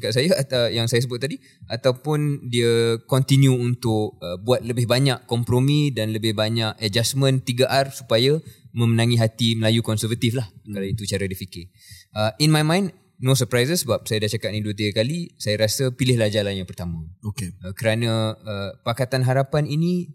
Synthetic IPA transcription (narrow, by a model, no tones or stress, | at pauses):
t͡ʃakaʔ̚sajaəjaŋsajasəbʊt̪̚ːadi | ʔat̪awpʊndiəkɔnt̪injuːnt̪ʊkəbuat̪̚ləbɪɦbaɲaʔkɔmpɾomĩdanləbɪhbaɲaʔəd͡ʒasmə̃nt̪iɡaʔarsu̥pajamə̃mənãŋĩɦat̪iməlajukɔnsəvat̪iflahkalawit̪ut͡ʃaɾadifikɪ | ʔəinmajmãjn | nõsəpɾajzəsəbap̚sajadat͡ʃakaʔ̚nĩduət̪iɡakalisajaɾasapilɪhlad͡ʒalajãpərt̪amə̃okeəkəɾanə̃əpakat̪anɦaɾapanini